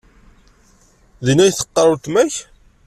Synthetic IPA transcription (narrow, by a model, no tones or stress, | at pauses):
ðinæjθə̥qːəɾˤut̪mæç